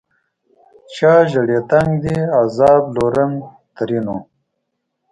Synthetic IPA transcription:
t͡ʃaːʒəɽet̪aŋɡd̪iazɑːbloɾəŋ | t̪əɾino

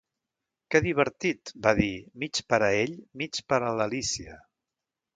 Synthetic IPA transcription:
kɛðiβ̞əɾt̪it̪baðimit͡ʃpəɾəeʎmit͡ʃpəɾələlisiə

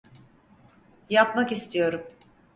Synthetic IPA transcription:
japmakist̪ʰijo̞ɾum

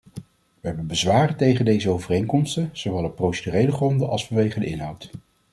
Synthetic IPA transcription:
ʋəɦɛbənbəzʋaːrətejχəndejzəowvərejŋkɔmstənz̥oʋɛlˠɔprowsədyrejləχrɔndəʔɑ̰lˠsfɑnʋejχədəɪ̰nɦɑwt

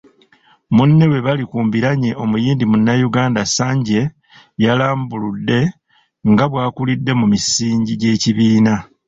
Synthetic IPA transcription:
munːe̞we̞βalikuːmbiɾaɲeʔo̞mujiːndimunːajuɡaːndasaːɲɟe̞ | jalaːmbuludːe̞ | ŋɡaβwaːkulidːe̞mumisiːɲɟiɟe̞ːciβiːna

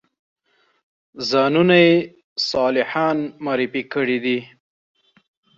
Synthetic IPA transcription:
zɑnunaje | sɑlɪħɑnmɑːɾɪfikəɽid̪i

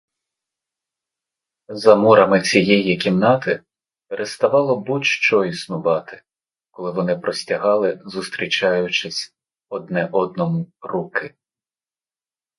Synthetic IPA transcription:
zɐmuɾɐmɪt͡sʲijɛjikʲimnɑt̪ɪ | peɾʔest̪ɐʋɑlˠɔbutʲʃt͡ʃɔisnʊʋɑt̪ɪ̥ | kɔlˠɪʋɔnɪpɾɔsʲtʲɐɦɑlˠɪzust̪ɾʲit͡ʃɑjʊt͡ʃɪsʲ | ɔd̪nɛʔɔd̪̚nɔmʊrukɪ

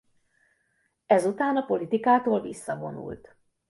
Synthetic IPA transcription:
ɛzut̪aːnɒpo̞lit̪ikaːt̪oːlvisːɒvo̞̰nṵlt̪

